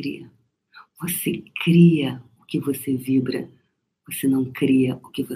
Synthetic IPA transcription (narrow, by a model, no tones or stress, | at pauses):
ɾḭɐ | vosekɾiɐʊkɪvosevibɾɐ̰ | vosenɐ̃w̃kɾiɐʊkɪvo